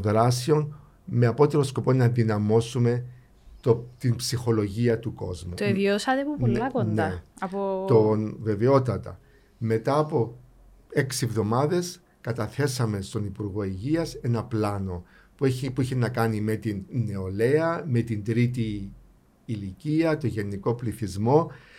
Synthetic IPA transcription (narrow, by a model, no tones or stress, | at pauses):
ðɾɐsio̞n | me̞ɐpo̞t̪e̞ɾosko̞po̞nɐðinɐmo̞sume̞ | t̪ot̪impsixo̞lo̞ʝiɐt̪uko̞̰zmut̪oviosɐt̪epuponakonepot̪onve̞veot̪ɐt̪ɐ̰ | me̞t̪ɐːpo̞ | e̞ksievðo̞mɐðe̞s | kɐt̪ɐθe̞sɐme̞st̪o̞nipuɾɣo̞iʝiɐse̞nɐplɐno̞ | pueipuiçinɐkɐnime̞t̪inːe̞o̞le̞ɐme̞t̪ind̪ɾit̪iː | liciɐt̪o̞ʝe̞nːiko̞pliθizmo̞